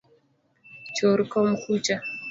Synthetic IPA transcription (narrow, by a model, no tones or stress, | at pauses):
t͡ʃɔɾkɔmkut͡ʃa